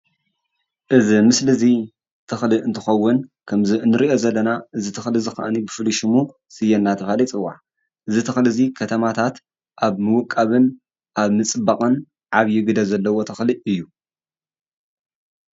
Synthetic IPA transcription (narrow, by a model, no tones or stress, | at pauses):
ʔɨzimɨslɨzi | t̪ʰɨxliɨnt̪ʰɨxɐwːʊnkʰɐmziɨnːɨɾiʔo̞zɐlːɐnaʔɨzit̪ʰɨxlɨzɨxɐ̰ʔnibɨfɨluʃɨmu | sɨjɛnːat̪ʰɐfalit͡sʼɨwːa̰ʕ | ʔɨzit̪ʰɨxlɨzikʰɐt̪ʰɐmat̪ʰat̪ | ʔaβmɨwʊkʼːaβɨn | ʔaβmɨt͡sʼɨbakʼɨn | ʕaβjɪɡɨd̪ɐzɐlːɐwo̞t̪ʰɨxliʔɨjːu